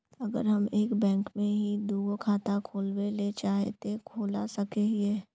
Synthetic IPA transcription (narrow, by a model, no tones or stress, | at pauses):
ɐɡə̰ɾɦɐmeːkbɛ̃ːŋkmẽɦid̪uːɡokʰaːt̪akʰoːlwelet͡ʃaːɦet̪ekʰoːlasɐkeɦieː